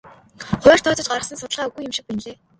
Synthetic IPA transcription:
χʊ̟ːr̥t̪ʰɔːt̪ə̆t͡ɕɢaɾə̆χsə̆nsʊt̪ə̆ɮʁaːuɣujɪ̆mʃɪ̆k̚pinɮeː

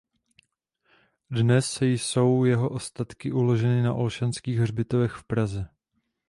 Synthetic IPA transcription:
dnɛsːɛjso̞wjɛɦo̞ʔo̞st̪at̪kɪʔulo̞ʒɛnɪnaʔo̞lʃanskiːɣr̝bɪt̪ovɛxfpɾazɛ

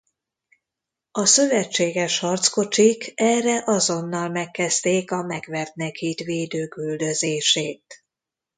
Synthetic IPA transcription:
ɒsø̞vɛt͡ʃːeːɡɛʃhɒrt̪sko̞t͡ʃikɛrɛʔɒzo̞nːɒlmɛkːɛst̪eːkɒmɛɡvɛrt̪nɛkhiːt̪veːd̪øːkyld̪ø̞zeːʃeːt̪̚

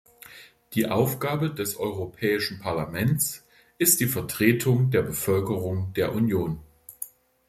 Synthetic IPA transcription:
d̥iːʔa̰ʊfɡ̥aːbədɛsʔɔʏʁopʰɛːɪʃn̩pʰaɐlamɛnt͡s | ʔɪst̚d̥iːfɛɐtʁ̥eːtʰʊŋdeːɐbəfœlkəʁʊŋdeːɐʔunjoːn

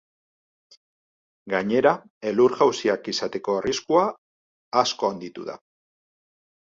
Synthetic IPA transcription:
ɡaɲe̞ɾa | e̞luɾɣawsiakisat̪e̞ko̞ariskuaː | sko̞and̪it̪uða̰

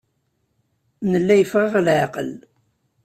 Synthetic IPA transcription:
nəlːæjəfʁɑʁlʕɑqəl

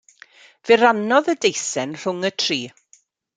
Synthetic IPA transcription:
v̥ɪɾanɔðədejsɛnr̥ʊŋətʰriː

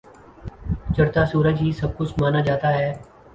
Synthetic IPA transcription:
t͡ʃɐɾt̪asuːɾəd͡ʒɦisɐb̚kʊt͡ʃʰmaːnad͡ʒaːt̪aɦɛː

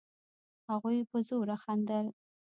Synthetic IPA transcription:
haɣujpəzoɾaxand̪əl

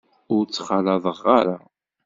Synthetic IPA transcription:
ʊɾt͡sːχɑlɑðˤəʁːaɾa

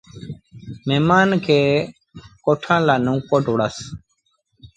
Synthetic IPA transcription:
memaːnkʰe | koːʈʰãːlaːnũːkoʈuɽas

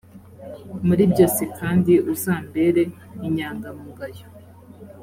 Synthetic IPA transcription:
muɾibɟosikaːndiʔuzaːmbe̞ɾe̞ | iɲaːŋɡamuɡajo

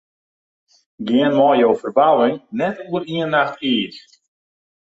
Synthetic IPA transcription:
ɡɪənmɔjjowfərbawɪŋnɛtuəɾiənːaxtiːs

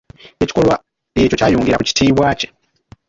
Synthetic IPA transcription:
et͡ʃi̥kolwa | lit͡ʃot͡ʃajuːŋɡiɾakut͡ʃi̥tʰiwaːt͡ʃe

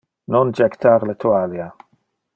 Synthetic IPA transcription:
nɔnd͡ʒɛkt̪ʰaɾlɛt̪ʰuwalja

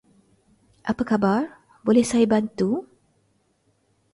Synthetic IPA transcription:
ʔapakabar | bolɛhsajabant̪u

